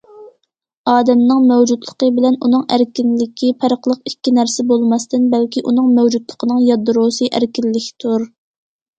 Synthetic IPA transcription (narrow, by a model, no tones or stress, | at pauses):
ɑːd̪ɛmnɪŋmɛwd͡ʒut̪lˠəqəbɪlɛnunɨŋæɾkʲinlɪkʲʰipʰæɾəqlˠəqikʲʰːinæɾsɛbolˠmɑst̪ɨnbælkʲiʔunɨŋmɛwd͡ʒud̪lˠəqʰənɨŋjɑd̪ɾosɨʔæɾkʲilːɪkʲʰt̪ʰuɾ